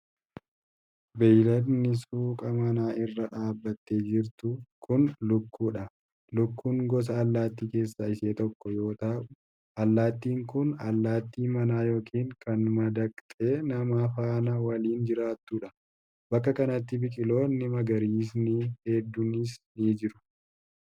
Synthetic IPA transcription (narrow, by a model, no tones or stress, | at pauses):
bɛjlɐnɪsuːkʼɐmɐnaːʔɪrːɐᶑaːbːɐt̪ːeːd͡ʒɪɾt̪ʊkʰʊnlʊkːuːᶑɐ | lʊkːuːŋɡɔs̬ɐːlːaːt̪ːiːke̞ːsːaɪseːt̪ɔkːɔjo̞ːt̪a | ʔɐlːaːt̪ːiːŋkʊnɐ̰lːaːt̪ːiːmɐnaːjo̞ːkʰiːŋkɐnmɐd̪ɐkʼt̪ʼeːnɐmaːfaːnɐwɐliːnd͡ʒɪɾaːt̪ːuːᶑɐ | bɐkːɐkɐnɐt̪ːɪbɪkʼɪlo̞ːnːɪmɐɡɐɾiːs̬nɪhɛd̪ːʊnɪsnid͡ʒɪɾʊ̥